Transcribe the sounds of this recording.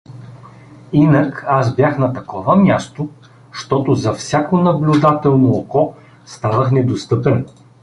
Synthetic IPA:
inɐkasbʲjaxnɐt̪ɐkɔvɐmʲjast̪o | ʃt̪ɔt̪ʊzɐfsʲjakonɐblʲʊd̪at̪ɛlˠnookɔ | st̪anəxnɛd̪ost̪ɤpɛn

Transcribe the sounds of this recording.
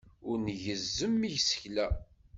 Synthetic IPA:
ʊɾnʝəzːəmːiʝsə̥çlæ

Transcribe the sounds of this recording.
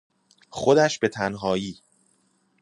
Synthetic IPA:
xo̞d̪æʃb̥e̞t̪ʰænɦɒːjiː

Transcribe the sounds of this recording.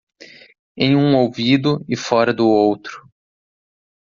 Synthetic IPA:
ẽj̃ũowvid̪ʊɪfɔɾɐd̪ʊowt̪ɾʊ̥

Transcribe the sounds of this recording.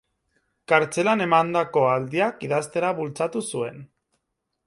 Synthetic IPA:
kaɾt͡se̞lane̞mand̪ako̞ald̪iakiðast̪e̞ɾaβult͡sat̪usue̞n

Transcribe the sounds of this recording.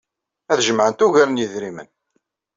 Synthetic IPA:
æθʒəmʕənt̪uʝæɾnjəðɾimə̰n

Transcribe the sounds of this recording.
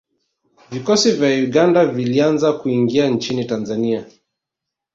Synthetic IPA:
vikɔsivjauɠandavilianzakuiŋɡiant͡ʃinitanzania

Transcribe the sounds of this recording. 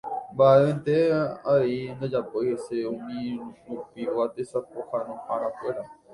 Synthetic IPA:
mbaʔeẽnt̪eaeind̪ad͡ʒapojheseũmĩɾupioat̪esapohanõhaɾ̃ãkwe̞ɾa

